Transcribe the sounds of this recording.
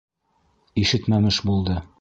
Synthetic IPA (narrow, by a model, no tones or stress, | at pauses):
iʃɘt̪mæmɘʃbulˠd̪ɤ